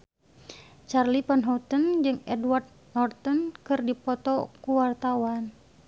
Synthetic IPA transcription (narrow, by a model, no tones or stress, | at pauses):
t͡ʃarlipanɦɔt̪ənd͡ʒɨŋɛdwart̪̚nɔrt̪ɔnkɨrdipɔt̪ɔkuwart̪awan